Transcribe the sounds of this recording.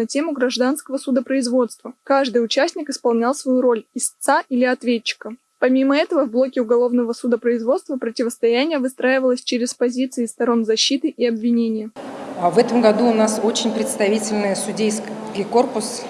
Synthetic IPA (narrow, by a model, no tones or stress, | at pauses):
ɐtʲe̞mʊɡɾɐʐd̪anskəvəsʊd̪əpɾəɪzvo̞t̪st̪vəkaʐd̪ɨjʊt͡ɕæsʲnʲɪkɨspɐlˠnʲalˠsvɐjuɾo̞lʲɪst̪saʔilʲɪɐt̪vʲet̚t͡ɕːɪ̥kə | pɐmʲiməɛt̪əvəvblˠo̞kʲɪʊɡɐlˠo̞vnəvəsud̪əpɾəɪzvo̞t̪st̪vəpɾətʲɪvəst̪ɐjænʲɪjəvɨst̪ɾaɪvəlˠəsʲt͡ɕeɾʲɪspɐzʲit̪sɨɪːst̪ɐɾo̞nzɐɕːit̪ɨʔiɐbvʲɪnʲenʲɪjəavɛt̪əmɡɐd̪uːnasot͡ɕɪnʲpɾʲɪt̪st̪ɐvʲitʲɪlʲnɨjəsʊdʲejskʲiko̞rpʊs